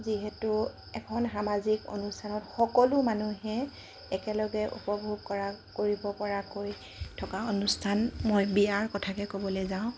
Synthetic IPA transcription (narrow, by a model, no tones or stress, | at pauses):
ziɦɛtʊ | ɛkʰɔnxamaziko̰nustʰanɔtxɔkɔlʊmanuɦɛ | ɛkɛlɔɡɛʔṵpɔbʱub̚kɔɹakoɹibɔpɔɹakoj | tʰɔkaonustʰanmojbiaɹkɔtʰakɛkobɔlejzaʊ̃